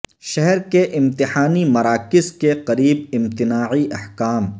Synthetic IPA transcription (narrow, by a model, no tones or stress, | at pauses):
ʃɛɦɛɾkeʔɪ̃mt̪ɪħaːnimɐɾaːkɪzkeqɐɾiːbɪ̃mt̪ɪnaːʕiʔɐħkaːm